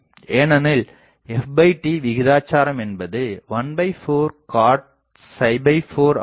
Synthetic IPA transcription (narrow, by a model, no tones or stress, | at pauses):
eːnɐnɪl | ɛfbɐɪʈiʋɪɣɪðaːt͡ʃːaːɾɐmɛnbɐðɯʋɐnbɐɪfoːɾkaːʈ̚ | sɐɪbɐɪfoːɾ